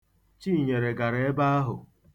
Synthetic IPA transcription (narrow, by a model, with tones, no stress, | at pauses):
t͡ʃi˦˨ɲe˨ɾe˨ɡa˨ɾe˦e˦ba˦a˦ɦʊ̰˨